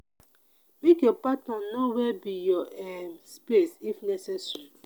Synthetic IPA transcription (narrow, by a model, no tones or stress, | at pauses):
mekjɔpatnɔnowɛbijɔɛmspesifnɛsɛsɹi